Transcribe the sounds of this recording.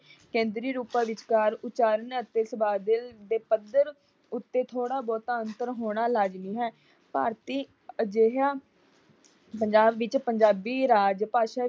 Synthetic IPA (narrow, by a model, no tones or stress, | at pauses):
kɛ̃ːnd̪ɾiːɾuːpãːʋɪt͡ʃkaːɾʊt͡ʃaːɾənət̪ːeːsəbaːd̪ɪld̪eːpəd̪əɾ | ʊt̪ːeːt̪ʰoːɽaːbɔːt̪aənt̪əɾɦoːɽ̃aːlaːd͡ʒniːɦɛː | paːɾt̪iː | d͡ʒeɦaː | pəɲd͡ʒaːbʋɪt͡ʃpəɲd͡ʒaːbiːɾaːd͡ʒpaːʃaː